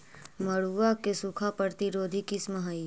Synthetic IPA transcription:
məɽuakesukʰapəɾt̪iɾoːd̪ʱikisməɦai

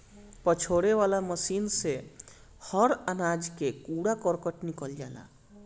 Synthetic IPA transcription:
pət͡ʃʰoːɽeʋaːlaməsiːnse | həɾənaːd͡ʒkekuɽakəɾkəʈnikəld͡ʒaːla̰

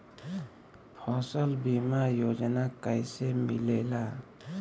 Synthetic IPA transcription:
pʰɔsɔlbimajod͡ʒanakajsɛmilɛla

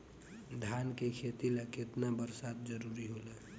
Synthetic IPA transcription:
d̪ʱjankekʰet̪ileket̪nabəɾsaːd̪̚d͡ʒəɾuːɾiɦole

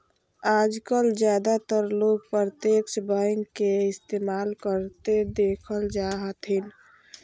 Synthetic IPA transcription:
aːd͡ʒkəld͡ʒjaːd̪at̪əɾloːɡ̚pəɾt̪eːkt͡ʃbaɪ̃ŋɡkeɪst̪eːmaːlkəɾt̪ed̪eːkʰəld͡ʒaːɦət̪ɦɪn

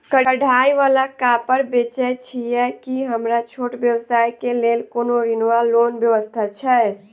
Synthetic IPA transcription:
kəɽʱajʋalakapəɾbet͡ʃɛt͡ʃʰijɛkiɦəmɾat͡ʃʰoʈbjəwsajkelelkonoɾinʋalonbjəʋəst̪ʰat͡ʃʰɛ

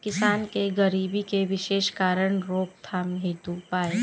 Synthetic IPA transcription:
kɪsaːnkeɡəɾiːbikeʋɪʃeːʃkaːɾəɳɾoːk̚t̪ʰaːmɦɪ̃d̪upaːe

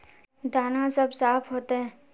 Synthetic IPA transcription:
d̪aːnãsɐbsaːpʰɦoːt̪eɦɛ̃ː

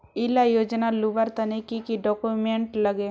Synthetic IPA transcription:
ɪlajoːd͡ʒnaluʋəɾt̪ənikikiɖɔːkumeɳʈləɡe

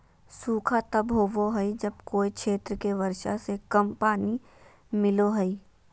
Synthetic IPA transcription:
suːkʰat̪ɐbɦoʋoɦɐid͡ʒɐbkoːikʃʰeːt̪ɾəkeʋɐɾʃa̰sekɐmpaːni | mɪloɦɐi

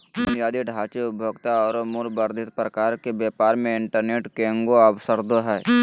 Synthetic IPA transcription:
ʊnjaːd̪iɖʱaːt͡ʃeʊbʱjoɡt̪aɔːɾmuɾbəɾd̪ʱɪt̪̚pɾəkaːɾkebeːpaːɾmẽɪɳʈəɾneːʈkẽːŋɡoɐwsəɾd̪oɦɛː

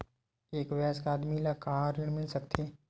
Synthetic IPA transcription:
eːkʋjaːskaːd̪milakaːɾɪɽmɪlsɐk̚t̪ʰe

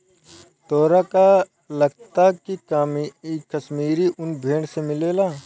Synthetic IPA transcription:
t̪ɔːɾaka | lɐɡt̪akikamiikɐʃmiːɾiʔʊnbʱeːɽsemɪleːlaː

